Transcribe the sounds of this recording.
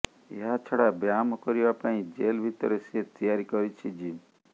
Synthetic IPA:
ḛɦat͡ʃʰɔɽabjamɔkɔɾiʋapaĩd͡ʒelʋit̪ɔɾeset̪ijaɾikɔɾit͡ʃʰid͡ʒi

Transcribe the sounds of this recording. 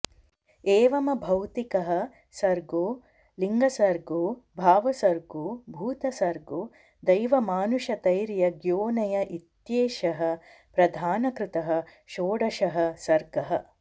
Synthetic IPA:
eːʋɐmɐbʱɐwt̪ikɐɦɐ̆ | sɐɾɡoː | liŋɡɐsɐɾɡoːbʱaːʋɐsɐɾɡoːbʱuːt̪ɐsɐɾɡoː | d̪ɐjʋɐmaːnuʃɐt̪ɐjɾjɐɡjoːnɐjɐʔit̪jeːʃɐɦɐ̆ | pɾɐd̪ʱaːnɐkɾɪt̪ɐɦɐ̆ | ʃoːɽɐʃɐɦɐ̆sɐɾɡɐɦɐ

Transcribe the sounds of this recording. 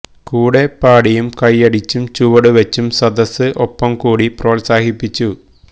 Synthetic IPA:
kuːɽe̞pːaːɽijumkɐjɐɽit͡ɕːumt͡ɕuʋɐɽɨʋɐt͡ɕːumsɐd̪ɐsɨʔopːɐmkuːɽipro̞ːlsaːhipːit͡ɕːu

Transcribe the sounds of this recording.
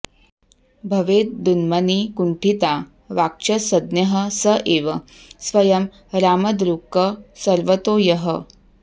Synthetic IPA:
bʱɐʋeːt̪̚d̪unmɐnikuɳʈʰit̪a | ʋak̚t͡ʃɐsɐd̪njɐɦə̆sɐʔeːʋɐ | sʋɐjɐm | ɾaːmɐd̪ɾukːɐsɐɾʋət̪oːjɐɦə

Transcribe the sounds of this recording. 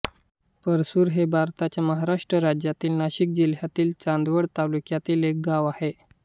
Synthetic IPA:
pəɾsuːɾɦebʱaɾt̪at͡ɕjaməɦaɾaʂʈɾəɾad͡ʑjat̪iːlnaɕik̚d͡ʑilɦjat̪iːlt͡sãnd̪ʋəɽt̪alukjat̪iːlek̚ɡaʋahe

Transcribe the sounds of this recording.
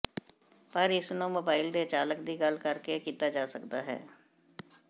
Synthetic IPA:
pɐɾɪsnõmoːbaːɪld̪et͡ʃaːləkd̪iɡɐlkɐɾkekiːt̪ad͡ʒaːsɐkt̪a̰ɦɛ̰ː

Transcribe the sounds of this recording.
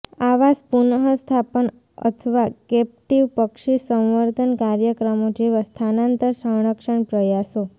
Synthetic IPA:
aʋaspunəɦəst̪ʰapəɳ | ə̰t̪ʰəʋakɛp̚ʈiʋpəkʃisə̃w̃ʋəɾd̪ʱənkaɾjəkɾəmod͡ʒeʋast̪ʰanãnt̪əɾsəɳ̃əkʃəɳpɾəjaso

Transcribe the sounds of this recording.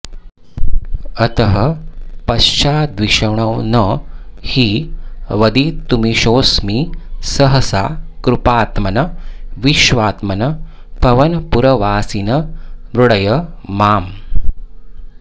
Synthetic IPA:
ət̪əɦəpɐɕt͡ʃaːd̪ʋiʂəʋɳ̃əwnəhiːʋəd̪iːt̪ːumiːɕoːsmiːsəɦəsakɾupaːt̪mɐnəʋiʃʋaːt̪mɐnə | pɐʋənpuɾɐʋaːsinəmɾuɽəjəmaːm

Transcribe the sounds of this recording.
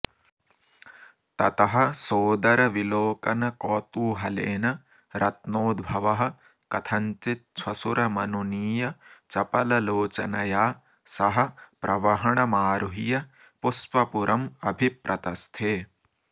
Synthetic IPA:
t̪ɐt̪ɐɦɐ̆soːd̪ɐɾɐʋiloːkɐnɐkɔːt̪uːɦɐleːnɐ | ɾɐt̪noːd̪bʱɐʋɐɦɐ̆ | kɐt̪ʰɐɲt͡ʃit̪̚t͡ʃʰwɐsuɾɐmɐnuniːjɐt͡ʃɐpɐlɐloːt͡ʃɐ̰nɐjaː | sɐɦɐ̆pɾʔɐʋɐɦɐɳɐmaːɾuɦijɐ | puspɐpuɾʔɐmɐbʱipɾʔɐt̪ɐst̪ʰeː

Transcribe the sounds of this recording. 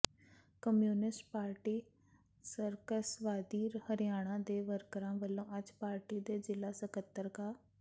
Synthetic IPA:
kəmjuːnɪsʈpaːɾʈiː | səɾkəsʋaːd̪iːɾhəɾɪjaːɽ̃ãːd̪eːʋəɾkəɾãːʋəlːõːəd͡ʒpaːɾʈiːd̪eːzɪlaːsəkət̪ːəɾkaː

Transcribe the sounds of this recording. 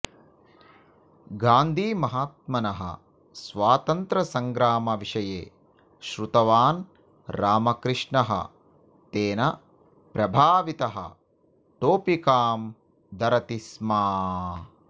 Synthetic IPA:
ɡaːnd̪ʱiːmɐɦaːt̪̚mɐnɐɦɐ̰ | sʋaːt̪ɐnt̪ɾɐsɐŋɡɾaːmɐʋiʂɐjḛː | ʃɾut̪ɐʋaːn | ɾaːmɐkɾɨʂɳɐɦɐ̰ | t̪eːnɐ | pɾɐbʱaːʋit̪ɐɦɐ̰ | ʈoːpikaːm | d̪ɐɾɐt̪ismaː

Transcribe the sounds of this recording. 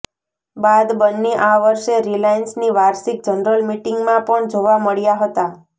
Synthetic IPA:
bad̪bənːiʔaʋəɾʃeɾilajnsniʋaɾsik̚d͡ʒənɾəlmiʈɪŋɡmãpəɳd͡ʒoʋaməɭjaɦət̪a

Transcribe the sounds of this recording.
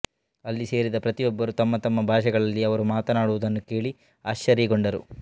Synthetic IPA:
ɐlːise̞ːɾid̪ɐpɾɐt̪ijɔbːɐɾut̪ɐmːɐt̪ɐmːɐbʱaːʂɐɡɐɭɐlːiɐʋɐɾumaːt̪ɐnaːɽuʋud̪ɐnːuke̞ːɭi | aːʃt͡ʃɐɾiɡoɳɖɐɾṵ

